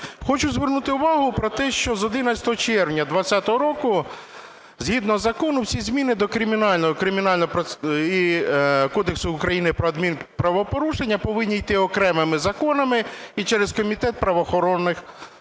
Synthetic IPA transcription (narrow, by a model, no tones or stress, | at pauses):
xɔt͡ʃʊzʋernut̪ɪʊʋɑɦʊpɾɔt̪ɛʃt͡ʃɔzɔd̪ɪnɐt͡sʲɐ̥t̪ɔɦɔt͡ʃɛrʋnʲɐd̪ʋɐt͡sʲːat̪ɔɦɔɾɔkʊ | zʲɦid̪nɔzɐkɔnʊwsʲizʲmʲinɪd̪ɔkɾɪmʲinɑlʲnɔɦkɾɪmʲinɑlʲnɔɦɔpɾɔikɔd̪eksʊʊkɾɐjinɪpɾɔɐd̪mʲinpɾɐʋɔpɔɾuʃenʲːɐpɔʋɪnʲːijt̪ɪɔkɾɛmɪmɪzɐkɔnɐmɪit͡ʃɛɾeskɔmʲit̪ɛt̪̚pɾɐʋɔːxɔɾɔnːɪx